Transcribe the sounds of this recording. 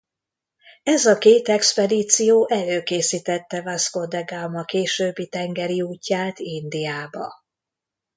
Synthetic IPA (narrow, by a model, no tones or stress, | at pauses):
ɛzɒkeːt̪ɛkspɛd̪it̪sijoːʔɛløːkeːsit̪ɛt̪ːɛvasko̞d̪ɛɡamɒkeːʃøːbːit̪ɛŋɡɛɾiuːcːaːt̪ind̪ijaːbɒ